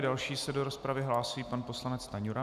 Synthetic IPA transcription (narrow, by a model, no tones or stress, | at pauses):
dalʃiːsɛdoɾospɾavɪɦlaːsuiːpanpo̞slanɛt͡st̪aɲuɾa